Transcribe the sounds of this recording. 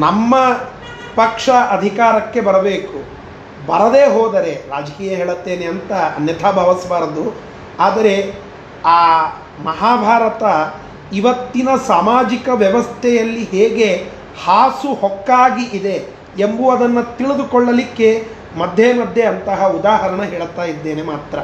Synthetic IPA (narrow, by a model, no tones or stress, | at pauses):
nɐmːɐ | pɐkʂɐʔɐd̪ʱikaːɾɐkːe̞bɐɾɐbe̞ːku | bɐɾɐd̪e̞ːɦɔːd̪ɐɾe̞ɾaːd͡ʒɐkiːjɐɦeːɭɐt̪ːe̞ːneɐnt̪ɐnjɐt̪ʰaːbʱɐʋɐsɐʋaːɾɐd̪u | aːd̪ɐɾe̞ | aː | mɐɦaːbʱaːɾɐt̪ɐ | iʋɐt̪ːinɐsaːmaːd͡ʒikɐʋjɐʋɐst̪ʰɛjɐlːiɦeːɡe̞ | haːsuhɔkːaːɡiʔid̪e̞ː | mbuɐd̪ɐnːɐt̪iɭid̪ukɔɭːɐlikːe̞ | mɐd̪ʱːjemɐd̪ʱje̞ɐnt̪ɐɦɐud̪aːɦɐɾɐɳɐɦeːɭt̪aːjid̪ːe̞ːne̞maːt̪ɾɐ